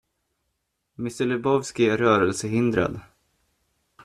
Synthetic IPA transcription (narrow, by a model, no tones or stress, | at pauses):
mɪst̪əɭɛbɔvskɪæɾœːɾəlsəɦɪnd̪ɾa̰d̪